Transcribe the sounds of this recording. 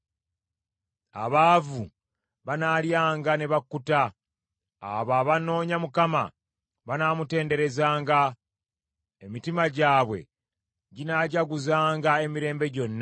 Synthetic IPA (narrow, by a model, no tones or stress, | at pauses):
a̰βaːvu | βanaːljaːŋɡane̞βakːuta̰ː | βaːβano̞ːɲamukama̰ | βanaːmute̞ːnde̞ɾe̞zaːŋɡa | emitimaɟaːβwe̞̰ | ɟinaɟaɡuzaːŋɡae̞miɾe̞ːmbe̞ɟo̞nːa